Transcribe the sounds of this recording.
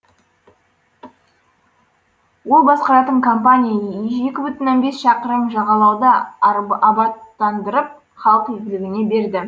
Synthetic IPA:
wo̞lˠbɑsqɑɾɑt̪əɴkʰo̞mpanʲijae̞kʲɪbʏt̪ɪnːonbe̞sʃɑqəɾəmʒɑʁɑlˠɑwd̪ə | ɑbɑt̪ːɑnd̪əɾəp̚ | χɑlˠəqɵlɡʲɪlɪɡʲɪne̞be̞ɾd̪ɪ

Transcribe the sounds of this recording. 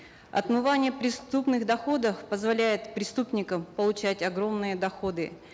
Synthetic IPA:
ɐ̰t̪mɨvanʲɪjəpɾʲɪst̪upnɨɣd̪ɐxo̞d̪əfpəzvɐlʲæjɪt̪pɾʲɪst̪upnʲɪkəmpəlˠʊt͡ɕætʲɐɡɾo̞mnɨjəd̪ɐxod̪ɨ

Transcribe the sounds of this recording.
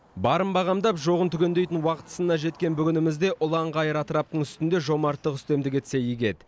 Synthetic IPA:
bɑɾəmbɑʁɑmd̪ɑpʒo̞ʁənt̪ʰʏkʲe̞nd̪e̞jt̪ɪnwɑqə̥t̪ə̥sənːɑʒe̞t̪kʲe̞nbʏɡʲɪnɪmɪzd̪e̞ʔʊlˠɑɴʁɑjəɾɑt̪əɾɑp̚t̪əɴʏst̪ɪnd̪e̞ʒo̞mɑɾt̪ːəqʏst̪e̞md̪ɪkʲet̪se̞jiɡʲe̞t̪

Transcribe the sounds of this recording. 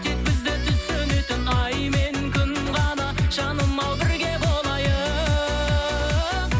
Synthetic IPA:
t̪ʰek̚bɪzd̪ɪt̪ʰʏt̪søne̞t̪ɪnɑjme̞nkʲʰʏn | ʁɑnɑʃɑnəmːɑwbɪɾɡʲe̞bolˠmɑjə

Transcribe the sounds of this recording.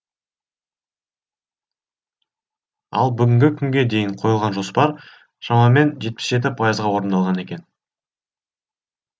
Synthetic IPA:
ɑ̰lˠbʏɡʲɪŋɡʲɪkʲʰʏŋɡʲe̞d̪e̞jɪɴqʰo̞jəlˠʁɑnʒo̞spɑɾ | ʃɑmɑme̞nʒe̞t̪̚pɪ̥sʒe̞t̪̬ɪpʰɑjəzʁɑwo̞ɾənd̪ɑlˠʁɑne̞kʲe̞n

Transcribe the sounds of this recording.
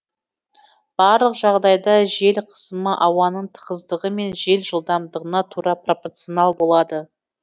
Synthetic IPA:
b̥ɑɾlˠəqʒɑʁd̪ɑjd̪ɑʒe̞lqʰə̥səməʔɑwɑnəɴt̪ʰə̥ʁəzd̪əʁəme̞nʒe̞lʒəlˠd̪ɑmd̪əʁənɑt̪ʰuɾɑpro̞port̪sionɑlˠbo̞lˠɑd̪ə

